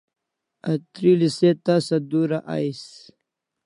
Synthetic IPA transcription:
at̪ɾiliset̪asad̪uɾaʔa̰js

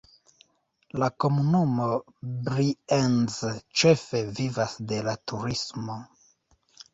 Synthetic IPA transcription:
lako̞munumo̞ | bɾienzt͡ʃe̞fe̞vivasde̞latuɾismo̞

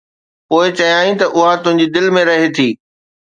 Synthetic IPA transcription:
poːɪt͡ɕɐɦijaːĩt̪ɐʔʊɦat̪ʊ̃ɦɪ̃ɲ̆d͡ʑid̪ɪlmẽɾɐɦet̪ʰiː

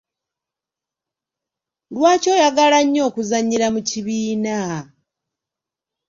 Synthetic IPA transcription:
lwaːco̞ːjaɡalaɲːo̞ːkuzaɲiɾamuciβiːna

